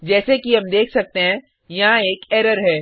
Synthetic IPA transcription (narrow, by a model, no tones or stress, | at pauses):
d͡ʒɛːsekiɦɐmd̪eːkʰsɐk̚t̪eɦɛ̃ | jɐɦãeːkɛːɾəɾɦɛː